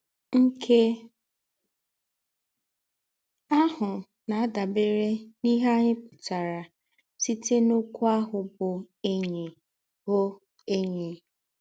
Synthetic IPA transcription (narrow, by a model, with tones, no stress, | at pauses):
ŋ̩˦kʰe˦ | a˦ɦʊ˨ | na˨a˦da˨be˦ɾe˦ni˦ɦa˦ɲɪ˦pʊ˨ta˨ɾa˨ | si˦te˦nʊ˦kʷu˦a˦ɦʊ˨bʊ˨ | e˦ɲe˨ | ho˦ | e˦ɲe˨